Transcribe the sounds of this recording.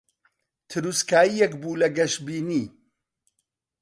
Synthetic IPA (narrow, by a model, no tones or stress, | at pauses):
t̪ʰɨɾuskaːjijɛkbulɐɡɐʃbiːniː